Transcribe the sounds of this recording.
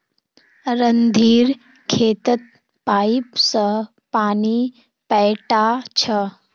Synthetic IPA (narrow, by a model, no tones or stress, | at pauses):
ɾənd̪ʱiːɾ | kʰeːt̪ət̪̚ | paːipsə | paːni | pɛːʈat͡ʃʰə